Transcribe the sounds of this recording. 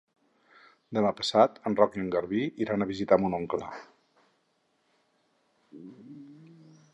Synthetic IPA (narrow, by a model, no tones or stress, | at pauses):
d̪əmapə̥sat̪ənrɔkiəŋɡəɾβiiɾanəβizit̪amunoŋkla